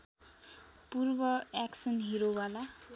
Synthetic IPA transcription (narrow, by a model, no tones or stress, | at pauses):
purbʌaksʌnɦiɾobala